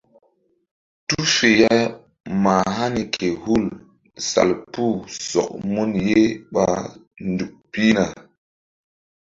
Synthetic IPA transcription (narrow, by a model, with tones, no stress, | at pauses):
tu˦fe˨ja˦ | ma˨ɦa˦ni˨kʰe˨hu˦˨l | sa̰˨lpu˦˨sɔ̰˨k̚mu˦nje˦ɓa˨ndu˨k̚pi˦na˨